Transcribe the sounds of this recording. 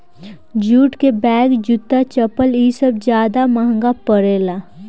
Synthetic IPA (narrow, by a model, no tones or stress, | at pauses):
d͡ʒuːʈkebɛːɡd͡ʒʊt̪ːat͡ʃəpəliːsəb̚d͡ʒjaːd̪aməɦə̃ŋɡapəɾeːla